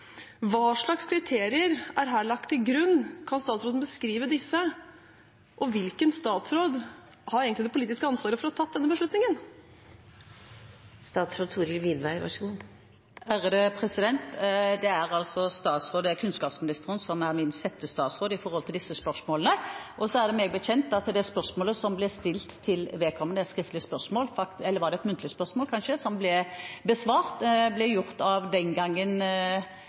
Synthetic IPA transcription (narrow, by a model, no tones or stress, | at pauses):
ʋɑːʂɭɑkskʰɾɪt̪ʰeːɾɪəɾʔæɾɦæːɭɑk̚t̪ʰːɪɡɾʉnːkʰɑnst̪ɑːt̪sɾoːd̪nbəskɾiːʋəd̪ɪsːə | ʔɔʋɪlkənst̪ɑːt̪sɾoːd̪ | hɑɾeːɡənɪd̪ɛpʊliːt̪ɪskəɑnsʋɑːɾəfɔɾɔɑt̪ʰɑt̪̚d̪ɛnːəbəʂɭʉt̪nɪŋən | st̪ɑːt̪sɾoːd̪̚t̪ʰuːɾɪlʋɪnʋæɪʋɑ̰ʂu | æʁəd̪əpʰʁɛsɪd̪ɛnt̪d̪ɛæɾɑlsɔst̪ɑːt̪sʁoːd̪ɛækʰʉnskɑːpsmɪnɪst̪əʁənsɔmæʁmɪnsɛt̪ːəst̪ɑːt̪sʁoːd̪əɪfɔʁhɔlt̪ʰɪld̪ɪsːəspœʁʂmoːlənəʔɔsɔæʁd̪ɛmeːɡəbəçɛnt̪ɑt̪d̪ɛspœʁsmoːləsɔmblɪst̪ɪlt̪ʰːɪlʋɛːkʰɔmːənɛt̪skʁɪft̪lɪəspœʁsmoːlfɑkɛlːəʁʋɑʁd̪ɛɛt̪mʉnt̪lɪəspœʁsmoːlkʰɑnʃəsɔmblɛbəsʋɑːʁt̪blɛjʊʁt̪ɑʋd̪ɛnɡɑŋːən